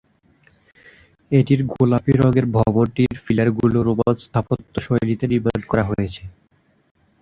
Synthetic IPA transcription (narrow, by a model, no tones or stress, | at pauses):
eʈiɾɡolapiɾɔɡeɾbʱɔboɾʈiɾfilaɾɡuloɾobad̪st̪ʰapot̪ːoʃojlit̪eɾibaɖkɔɾaɦojet͡ɕʰe